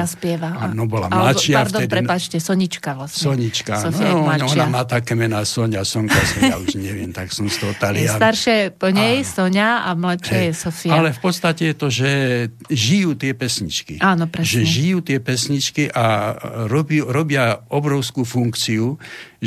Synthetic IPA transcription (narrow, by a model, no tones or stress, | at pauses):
aspɪɛʋaanɔbɔla̰mamlat͡ʃɪaaɾdd̪ɔɛd̪pɾɛpat͡ʃcɛsɔɲit͡ʃkaʋlasɲsɔɲit͡ʃkaaɔflaɔnnamaːt̪aːkɛmɛnaːsɔɲasɔŋkasɔa̰uʒɲɛʋɪɛmt̪aksɔmst̪ɔɦɔt̪aliast̪aɾʃɛpɔɲɛjsɔɲaamlaʃɛjɛsɔfialɛfpɔt̪st̪acɛjɛt̪ɔʒɛ | ʒijuːt̪ɪɛpɛsɲit͡ʃkḭʔaːnɔpɾɛʒɛʒijuːt̪ɪɛpɛsɲit͡ʃkiʔaɾɔbiuɾɔbɪaɔbɾɔʊskufuŋkt͡siu